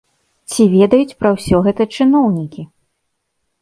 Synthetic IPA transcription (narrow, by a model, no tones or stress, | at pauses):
t͡sʲivʲɛd̪ɐjut͡sʲpɾɐwsʲɔɣɛt̪ɐt͡ʂɨnɔwnʲikʲi